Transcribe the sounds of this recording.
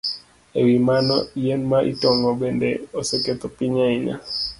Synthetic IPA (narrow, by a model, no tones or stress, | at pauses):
ewimanɔijɛnmaʔḭtɔŋɡɔbɛndɛosɛkɛt̪ɔpiɲaina̰